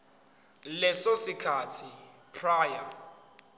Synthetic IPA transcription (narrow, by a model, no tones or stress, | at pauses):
lɛsosikʰatʰi | pʰraːja